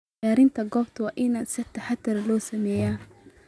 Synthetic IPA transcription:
aːɾɪnt̪ʰɐɡɔːbt̪ʰɐwɑːʔɪnaːnsɪt̪ʰɐħat̪ːʊɾlɔːsɐmɛːjaː

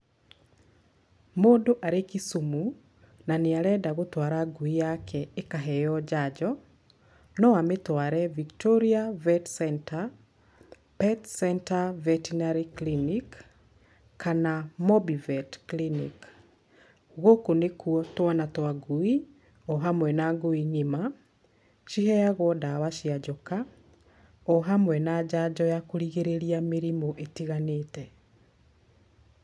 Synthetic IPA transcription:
modoʔaɾekisumu | naneaɾɛdaɣotwaːɾaɡuijakʰɛekaɦɛjɔd͡ʒad͡ʒɔ | nɔametwaːɾɛviktɔɾiavɛtsɛnta | pɛtsɛntavɛtinaɾiklinikː | anamɔbivɛtklinḭk | ɣokonekuɔtwanatwaɡoi | ɔɦamwɛnaɡoiɲima | ʃiɦɛjaɣwɔdawaʃiad͡ʒɔka | ɔɦamwɛnaːd͡ʒad͡ʒd͡ʑɔjakoɾiɣeɾeɾiameɾimoʔetiɣaneːtɛ

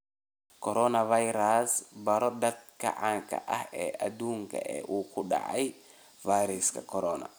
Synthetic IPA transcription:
kʰɔɾɔnɐvajɾasbɐɾɔd̪ɐd̪̚kʰɐ̰ʕaːŋkʰɐ̰ʔɐhɛːʔɐd̪uːŋkʰɐ̰ʔɛ̰ːʔuːkʰʊɖɐ̰ʕaj | vajɾɛskʰɐkʰɔɾɔːnɐ̰

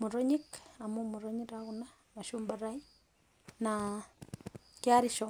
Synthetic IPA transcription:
muɾoɲikamumuɾoɲiɾaɣuna | maʃuːmbaɾai | na | kjaɾiʃo

